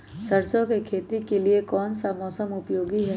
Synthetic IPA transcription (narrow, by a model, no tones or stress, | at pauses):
sɐɾsõkekʰeːt̪ikeliekɔːnsamɔːsəmʊpjoːɡiɦɛː